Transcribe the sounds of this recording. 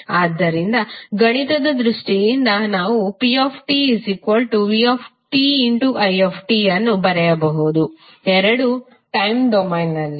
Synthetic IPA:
aːd̪ːɐɾind̪ɐɡɐɳit̪ɐd̪ɐd̪ɾuʂʈijind̪ɐnaːʋupioːpʰʈiizikʋɐlʈuʋioːpʰʈiiɳʈuʔɐjeːpʰʈiɐnːubɐɾɛjɐbɐɦud̪u | ɛɾɐɽu | ʈɐjmɖɔmɐjnːɐlːi

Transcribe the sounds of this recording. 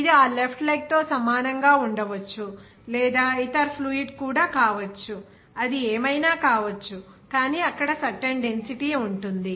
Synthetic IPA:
id̪iaːlepʰʈlɐjk̚t̪o̞ːsɐmaːnɐŋɡaːuɳɖɐʋɐt͡ʃːu | lɛːd̪aːit̪ɐɾpʰluiɖkuːɽaːkaːʋɐt͡ʃːu | ɐd̪ieːmɐjnaːkaːʋɐt͡ʃːu | kaːniːɐkːɐɽɐsɐʈːeɳɖe̞nsiʈiuɳʈund̪i

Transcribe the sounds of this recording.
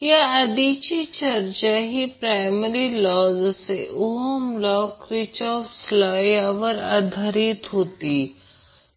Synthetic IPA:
jaɐd̪it͡ʃit͡ʃɐɾt͡ʃaɦipɾaːɪməɾilɔːzseʔʊɦomlɔːkɾɪt͡ʃɔːfslaːjaʋəɾa̰ːd̪ʱaɾit̪ɦoːt̪i

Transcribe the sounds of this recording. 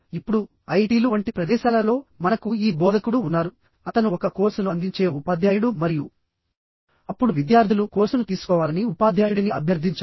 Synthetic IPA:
ipːuɽu | ɐjʈiːluʋɐɳʈipɾɐd̪ɛːʃaːlɐlo̞ːmɐnɐkuiːbɔːd̪ʱɐkuɽuːnːaːɾu | ɐt̪ɐnuɔkɐkoːɾsɐnɐnd̪iɲt͡ʃe̞ːupaːd̪ʱjaːjuɽumɐɾiju | ɐpːuɽuʋid̪jaːɾd̪ʱilukoːɾsɐnut̪iːsu̥kɔːʋaːlɐniupaːd̪ʱjaːjuɽniɐ̰bʱjɐɾd̪ʱiɲt͡ʃː

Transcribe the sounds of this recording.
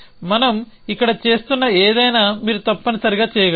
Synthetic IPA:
mɐnɐm | ikːɐɽɐt͡ʃe̞ːst̪unːɐeːd̪ɐjnaːmiːɾut̪ɐpːɐnɐsɐɾiɡaːt͡ʃɛːjɐɡɐ

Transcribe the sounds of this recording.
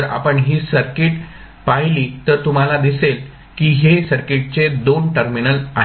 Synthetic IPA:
əɾa̰pəɳɦiːsəɾkeʈ | paɦliːt̪əɾt̪um̤alad̪isel | kiːɦesəɾkeʈ̚t͡sed̪onʈəɾminəlaɦ

